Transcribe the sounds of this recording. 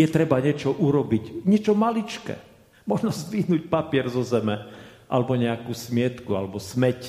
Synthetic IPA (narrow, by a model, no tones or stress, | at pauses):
jɛt̪ɾɛbaɲɛt͡ʃɔʔuɾɔbicɲɛt͡ʃɔmalit͡ʃkɛ̰ː | mɔʒnɔzʋiɦnuːc̚papɪɛɾzɔzɛmɛʔa̰lɛbɔɲɛakusmɪɛt̪kualɛbɔsmɛc